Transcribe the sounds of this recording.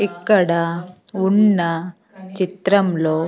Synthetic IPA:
ikːɐɽɐunːɐ | t͡ʃit̪ɾɐmlo̞ː

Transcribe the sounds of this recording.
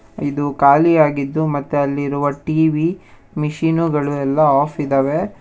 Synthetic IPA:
id̪ukaːliaːɡid̪ːumɐt̪ːuɐlːiɾuʋɐʈiːʋi | miʃiːnuɡɐɭuɛlːɐaːpʰid̪ɐːʋe̞

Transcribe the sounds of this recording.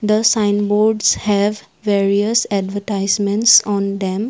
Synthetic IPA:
d̪əsãɪ̃nboːɾɖshɛʋ | ʋeːɾiəsɛɖʋəʈaɪzmɛ̃ɳʈsɔ̃ːnd̪ɛ̃m

